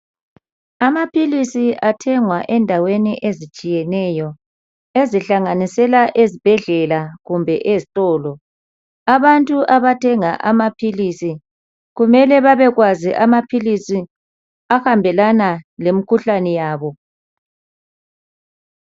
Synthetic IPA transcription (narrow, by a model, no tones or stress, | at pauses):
amapʰilisiʔatʰɛŋwaʔɛndʱaweniʔezit͡ʃʼijɛnɛjɔ | eziɬaŋanisɛlaʔezib̥ʱɛɮɛlaɣumbʱɛʔezitʼɔːlɔ | aβantʼuʔaβatʰɛŋaʔamapʰilisi | ɣumɛlɛβaβɛɣwaziʔamapʰilisi | axambʱɛlanalemikʰuɬanɛjaːβɔ